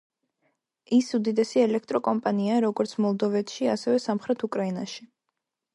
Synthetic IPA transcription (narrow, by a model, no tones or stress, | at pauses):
isud̪id̪ɛsiɛlɛk̚ʰt̪ʼɾɔkʼɔmpʼaniaɾɔɡɔɾt̪sʰmɔlˠd̪ɔvɛt̪ʰʃiasɛvɛsamχɾɛt̪ʰukʼɾaina̰ʃi